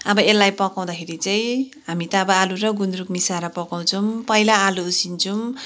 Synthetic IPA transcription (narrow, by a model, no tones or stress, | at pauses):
ʌbʌelːajpʌkaw̃d̪akʰeɾit͡saĩɦamit̪ʌːbʌaluɾʌɡunɾukmisaɾʌpʌkaw̃t͡sʰʌmpʌjlaːluːsint͡sʰum